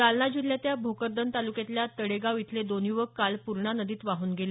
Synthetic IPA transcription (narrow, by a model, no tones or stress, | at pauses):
alɳad͡ʑiljat̪jabʱokəɾd̪ənt̪alukjet̪ljat̪əɽeɡaʋit̪ʰled̪onjuʋəkkːalpuɾɳanəd̪iːt̪ʋaɦuːnɡele